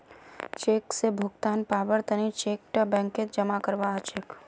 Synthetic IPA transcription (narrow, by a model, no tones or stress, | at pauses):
t͡ʃeksebʱʊɡt̪aːnpaʋəɽt̪ənit͡ʃek̚ʈəbɛ̃ŋket̪̚d͡ʒəmakəɾʋaːt͡ʃek